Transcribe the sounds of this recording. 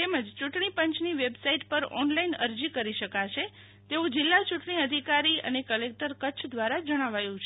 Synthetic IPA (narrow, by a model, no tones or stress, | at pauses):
t̪eməd͡ʒt͡ʃũʈɳipəɲt͡ʃniʋebsaiʈpəɾɔ̰nlainə̰ɾd͡ʒikəɾiʃəkaʃʰe | t̪eũd͡ʒɪlːat͡ʃuʈɳiəd̪ʱikaɾiə̰nekəlek̚ʈəɾkətːʃʰd̪ʋaɾad͡ʒəɽ̃aʋajũt͡ʃʰe